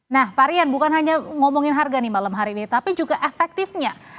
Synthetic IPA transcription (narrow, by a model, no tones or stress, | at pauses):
nahpaɾianbukanɦaɲaŋomɔŋɪnɦarɡanimalamɦaɾinit̪apid͡ʒuɡaʔefɛk̚t̪ɪfɲa